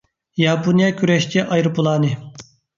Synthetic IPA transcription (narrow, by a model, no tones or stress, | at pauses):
jɑːpʰonijɑkʲʰyɾɛʃt͡ʃʰɛʔɑjɾɨpʰulˠɑːnɨ